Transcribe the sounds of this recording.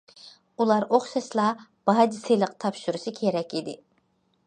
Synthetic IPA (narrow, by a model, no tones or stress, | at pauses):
ulˠɑɾoχʃɑʃlˠɑb̥ɑːd͡ʒiselˠəqt̪ʰɑpʃuɾuʃɨkʲʰeɾɛkʲid̪ɪ